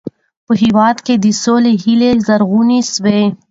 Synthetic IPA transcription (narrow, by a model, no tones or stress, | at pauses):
pəɦiwaːd̪ked̪isoleɦilezɐɾɣuːniswe